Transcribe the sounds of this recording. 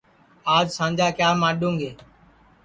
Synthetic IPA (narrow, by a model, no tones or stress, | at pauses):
aːd͡ʒsãːɲd͡ʒaːkjaːmaːɗũːŋɡeː